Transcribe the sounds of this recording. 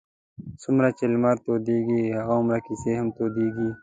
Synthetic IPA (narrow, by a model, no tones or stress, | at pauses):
sʊmɾat͡ʃelmaːɾt̪oːd̪eːɡiːhɐɣaʊmɾakiseɦɐmt̪oːd̪iːɡiː